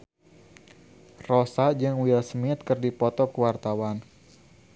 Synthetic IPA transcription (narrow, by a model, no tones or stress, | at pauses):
rɔsad͡ʒɨŋwilsmɪt̪̚kɨrdipɔt̪ɔkəwart̪awan